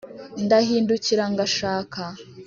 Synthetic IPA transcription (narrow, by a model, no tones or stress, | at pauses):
ndahiːnduciɾaŋɡaʃaːka